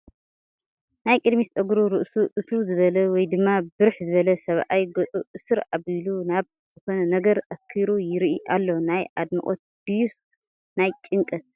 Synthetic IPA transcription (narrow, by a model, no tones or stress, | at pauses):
najkʼɨd̪mist̪ʼɐɡɾuɾɨʔsuʔɨt̪ʰuzɨβɐlɐwɔjd̪ɨmːabɨɾħzɨβɐlɐsɐβʔajɡot͡sʼuʔɨsɨɾʔaβilunaβ | zɨko̞nɐnɐɡɐɾɐkʰːiɾujɪɾʔiʔalːo̞najʔad̪mɐ̰ʔʼo̰t̪̚d̪̥ijus | najt͡ʃʼɪŋkʼɨt̪̚